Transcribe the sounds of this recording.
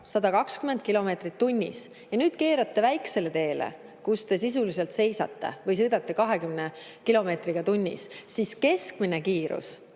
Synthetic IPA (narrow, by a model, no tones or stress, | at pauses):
sɑd̪̥ɑkɑkskymend̪̚kilo̞me̞t̪rit̪ːunʲːḭs | jɑnyːd̪̥ke̞ːɾɑt̪ːe̞væjkse̞le̞t̪e̞ːlḛ | kust̪e̞sisulis̬elt̪se̞jsɑ̰t̪ːe̞̰vɤjs̬ɤːd̪ɑt̪ːekɑɦe̞kymnekilo̞me̞ːt̪riɡ̥ɑt̪unʲːḭssiske̞skmine̞kiːɾṵs